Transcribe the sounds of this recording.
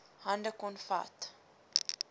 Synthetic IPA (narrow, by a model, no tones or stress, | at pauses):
hɐndəkɔnfa̰t